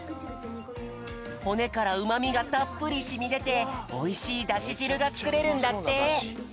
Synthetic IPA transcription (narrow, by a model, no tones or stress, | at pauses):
ho̞ne̞kaɾaɯ̟mamʲiɡat̪apːɯ̟ɾʲiɕimʲid̪e̞t̪e̞o̞iɕiːd̪aɕiʑiɾɯ̟ɡat͡sɨ̥kɯ̟ɾe̞ɾɯ̟̃nd̪at̪ːe̞